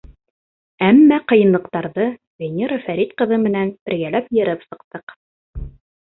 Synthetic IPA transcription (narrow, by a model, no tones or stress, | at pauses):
æmːæqɤ̆jɤ̆nlˠɤ̆qt̪ɑɾðɤ | vʲenʲeɾafæɾit̪qɤ̆ðɤmɘ̆nænb̥ɘ̆ɾɡælæpjɘ̆ɾɘpsɤ̆qt̪ɤq